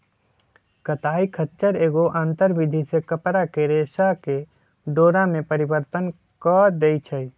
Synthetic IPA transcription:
kət̪aːikʰətːt͡ʃəɾeːɡoʔãːnt̪əɾbid̪ʱisekəpɾakeɾeːsake | ɖoːɾãmẽpəɾibəɾt̪ən | kəd̪eːit͡ʃʰəi

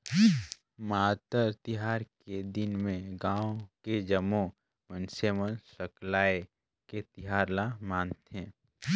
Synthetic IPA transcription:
maːt̪əɾt̪ɪɦaːɾked̪ɪnmẽɡãːoked͡ʒəmõ | mənsemənsəklaːe | ket̪ɪɦaːɾlamaːnt̪ɛ̃ː

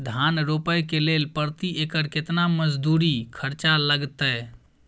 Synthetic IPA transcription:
d̪ʱanɾopəjkelelpəɾt̪iʔekəɾket̪naməd͡ʒd̪uɾikʰəɾt͡ʃaləɡt̪əj

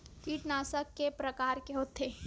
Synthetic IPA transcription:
kiːʈnaːsəkːepɾɐkaːɾkeɦoːt̪eː

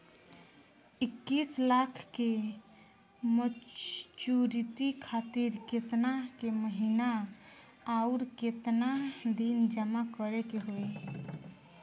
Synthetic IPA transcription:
ɪkːislakʰke | mət͡ʃuɾit̪ikʰat̪iɾket̪nakeməɦinaː | ʊɾket̪nad̪ind͡ʒəmakəɾekeɦoe

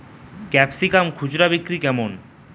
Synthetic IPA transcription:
kɛpsikamkʰud͡ʑɾabikɾikɛmon

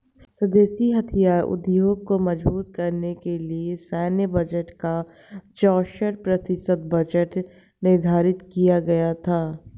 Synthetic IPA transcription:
sɐd̪eːsiɦɐt̪ʰijaːɾʊ̰d̪joːɡ̚komɐd͡ʒbuːt̪kɐɾnekeliesɛːnjəbɐd͡ʒəʈka | t͡ʃɔːʃəɽpɾɐt̪ɪsət̪̚bɐd͡ʒəʈ | nɪɾd̪ʱaːɾɪt̪kijaɡɐjat̪ʰaː

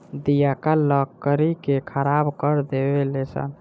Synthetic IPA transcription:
d̪ijakaləkːəɾikekʰəɾabkəɾd̪ebelesə̰n

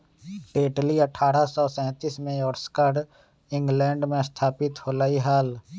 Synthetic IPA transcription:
ʈeːʈliəʈʰaːɾasɔsɛ̃ːt̪iːsmẽjɔːɾskaɾ | ɪ̃ŋɡlɛ̃ːɳɖmẽst̪ʰaːpɪt̪hoːlaːiɦaːl

